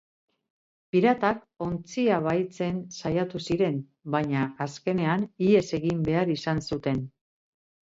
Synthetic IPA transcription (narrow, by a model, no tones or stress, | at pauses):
piɾat̪ak | o̞nt͡siaβ̞ajt͡se̞nsajat̪usiɾe̞n | baɲaːske̞ne̞anie̞se̞ɣimbe̞aɾisansut̪e̞n